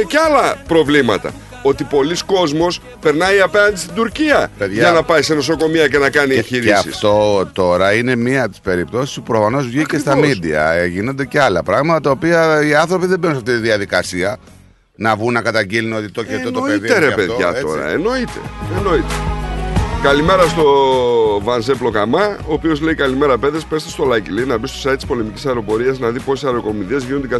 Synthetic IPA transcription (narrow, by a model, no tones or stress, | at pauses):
ceɐlɐpɾo̞vlimɐ̰t̪ɐ̰ | o̞t̪ipo̞lisko̞zmo̞s | pe̞ɾnɐiɐpeɐnd̪ist̪id̪uɾciɐpeðʝɐnɐpɐiseno̞s̬o̞ko̞miɐce̞nɐkɐniçiɾisɐḭftso̞t̪o̞ɾɐine̞miɐt̪i̥spe̞ɾip̚t̪o̞si̥spupɾofɐno̞zvʝicest̪ɐmid̪iɐ̰eʝino̞nd̪e̞ceɐlɐpɾɐɣmɐt̪ɐt̪ɐopiɐiɐnθɾo̞piðebeɾunsɐft̪it̪iðiɐðikɐsiɐ | nɐvɣunːɐkɐt̪ɐɲɟiluno̞t̪it̪o̞çeot̪opeðieɾepeðoʝɐ̰t̪o̰ɾɐ̰ḛno̞it̪e̞̰enoit̪e | kɐlime̞ɾɐst̪o̞ | vɐnzeplo̞kɐmɐoːpio̞zle̞ikɐlime̞ɾɐpeðespest̪est̪olɐcilinɐbist̪o̞sɐit̪ːispo̞lemicisɐeɾo̞po̞ɾiɐznɐðipo̞sesɐeɾo̞ko̞miðezʝinond̪ɡɐ